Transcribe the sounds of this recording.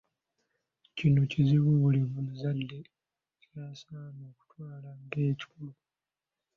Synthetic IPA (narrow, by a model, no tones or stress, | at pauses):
cinuciziβuβulimumuzadːe̞ | caːsanoːku̥twaːlaŋɡeːci̥kulu